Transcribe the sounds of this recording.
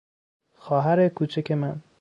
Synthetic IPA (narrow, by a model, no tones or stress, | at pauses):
xɒːɦæɾekʰuːt͡ʃʰekʰemæn